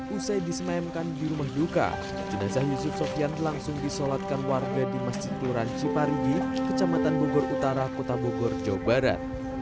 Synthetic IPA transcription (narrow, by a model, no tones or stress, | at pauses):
usajdisəmaɛmkandiɾumahduka̰ | d͡ʒənasahjusʊp̚sɔfianlaŋsʊŋdisolat̪̚kanwarɡadimasd͡ʒit̪uɾant͡ʃipaɾidikət͡ʃamat̪anbobɔɾut̪aɾakot̪aboɡɔrd͡ʒawbaɾa̰t̪̚